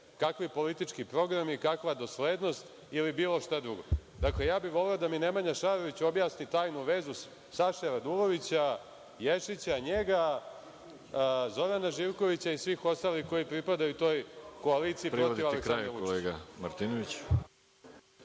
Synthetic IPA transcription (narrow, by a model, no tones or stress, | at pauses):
kakʋipo̞lit̪it͡ʂkipɾo̞ɡɾamikakʋad̪o̞sleːd̪nost̪ | ilibiːlo̞ʃt̪ad̪ɾuɡo̞̰d̪akle̞jaːbiʋo̞leod̪amine̞maɲaʃaːɾo̞ʋit͡ɕo̞bjaːsnit̪aːjnuʋe̞ːzu | saʃeɾad̪uɾo̞ʋit͡ɕa | jeʃit͡ɕaɲe̞ɡa | zo̞ɾanaʒiʋko̞ʋit͡ɕaisʋiːxo̞st̪aːlixko̞jipɾipad̪ajut̪o̞ːjko̞aliːt̪sipɾɾoivaleksanɾauoeːɡamaɾt̪inoʋit͡ɕ